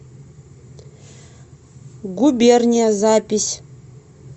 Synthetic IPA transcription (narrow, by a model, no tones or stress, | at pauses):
ɡubʲernʲijazapʲisʲ